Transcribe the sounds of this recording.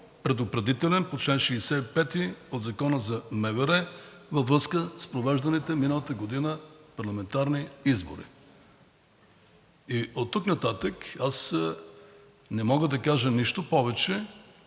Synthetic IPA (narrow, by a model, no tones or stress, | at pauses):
pɾɛd̪opɾɛd̪it̪ɛlɛnpot͡ʃɛnʃɛːsɛipɛt̪iod̪zɐkɔnəzɐmɛvɛɾɛ | vɐvɾɤskəspɾovɛʒd̪ɐnit̪ɛminəlˠət̪əɡod̪inəpɐɾlˠɐmɛnt̪aɾniizboɾḭ | iot̪ːuknɐt̪at̪əkas | nɛmɔɡəd̪ɐkaʒəniʃt̪opɔvɛt͡ʃɛ